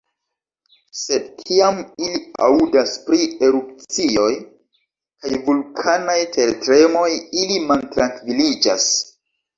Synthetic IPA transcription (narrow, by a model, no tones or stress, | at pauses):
se̞dkʰiamilia̰udaspɾie̞ɾup̚t͡sio̞j | kajvulkʰanajtʰe̞ɾetɾe̞mo̞jilimantɾaŋkvilid͡ʒa̰s